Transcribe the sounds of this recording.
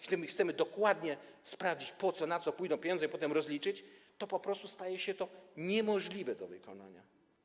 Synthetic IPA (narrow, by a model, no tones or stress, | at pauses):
ɡt̪ɘmɘxt̪sɛmɘd̪ɔkwad̪ɲɛspɾavd͡ʑit͡ɕpɔt̪sɔnat̪sɔpujd̪ɔw̃pʲjeɲɔ̃nzɛipɔt̪ɛmɾɔzlʲit͡ʂɘt͡ɕt̪ɔpɔpɾɔst̪ust̪ajɛɕɛt̪ɔɲɛmɔʐlʲivɛd̪ɔvɘ̰kɔ̰na̰ɲa̰